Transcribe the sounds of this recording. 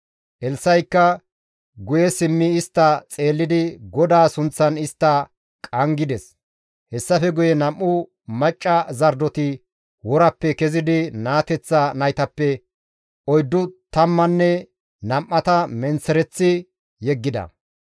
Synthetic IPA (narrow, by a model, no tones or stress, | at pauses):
ʔɛlsɐjkːɐ | ɡʊjɛsɪmːɪɪst̪ːɐt͡sʼeːlːɪd̪ɪɡɔd̪aːsʊnt͡sːɐnɪst̪ːɐ | kʼɐŋɡɪd̪ɛs | hɛsːɐfɛɡʊjɛnɐmʔʊ | mɐt͡ʃʼːɐzɐɾd̪ɔt̪ɪ | wɔɾɐpːɛkɛzɪd̪ɪnaːt̪ɛt͡sːɐnɐjt̪ɐpːɛ | ʔɔjd̪ːʊt̪ɐmːɐnːɛ | nɐmːɐt̪ɐmɛnt͡sɛɾɛt͡sːɪ | jɛɡːɪd̪ɐ̰